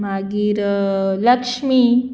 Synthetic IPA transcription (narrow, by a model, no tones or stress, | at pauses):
maɡiːɾləkʂmi